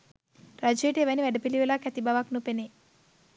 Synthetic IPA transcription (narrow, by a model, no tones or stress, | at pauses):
ɾɐd͡ʒeːʈeʋɐniʋɛɖɐpiliʋelakɛt̪ibaʋaknupene